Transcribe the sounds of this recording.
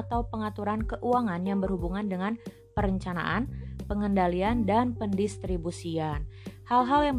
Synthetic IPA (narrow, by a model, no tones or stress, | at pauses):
t̪awpəŋat̪uɾankəʔuaŋanjaŋbərhubuŋandəŋan | pəɾəɲt͡ʃana̰ʔanpəŋəndaliandanpəndist̪ɾibusianhalɦaljaŋ